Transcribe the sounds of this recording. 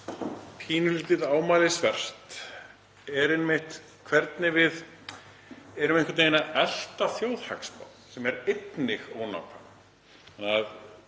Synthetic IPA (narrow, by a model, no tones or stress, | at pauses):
pʰiːnʏliːt̪ɪðaːwmaːlɪsvɛr̥t̪ | ɛɾɪnmɪht̪ | kʰvɛɾt̪nɪvɪð | ɛɾʏmẽnhkʰat̪ejnaɛl̥t̪aθjowðha̰kspa̰wnsɛmɛɾejt̪nɪxoːwna̰wkʰa̰ | anað